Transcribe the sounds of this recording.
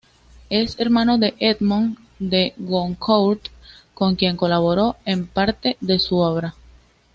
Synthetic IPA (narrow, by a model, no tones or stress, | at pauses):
e̞se̞ɾmãno̞ðe̞ʔed̪mõŋ | d̪e̞ɣoŋkʰowt̪ko̞ŋkje̞ŋko̞laβ̞oɾoe̞mpaɾt̪e̞ðe̞suoβɾa